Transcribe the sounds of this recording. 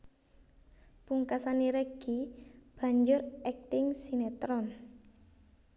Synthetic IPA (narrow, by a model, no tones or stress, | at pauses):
puŋkasaniɾəɡ̥ib̥a̤ɲd͡ʒʊrɛk̚t̪ɪŋsinet̪ɾɔn